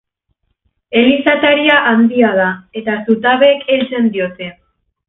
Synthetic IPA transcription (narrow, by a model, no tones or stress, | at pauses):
e̞lisat̪aɾiaʔand̪iað̞ae̞t̪asut̪aβe̞kʰe̞lt͡se̞nd̪io̞t̪e̞